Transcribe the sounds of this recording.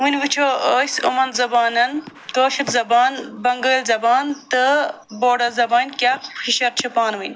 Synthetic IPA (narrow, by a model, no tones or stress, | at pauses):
winwit͡ʃʰoːəːjsṵmɐnzɐbaːnɐnkoːʃɐt̪zɐbaːnbɐŋɡəːlzɐbaːnt̪ə | boːɖɐzɐbaːnkʲaxxiʃɐɾt͡ʃʰɐpaːnwin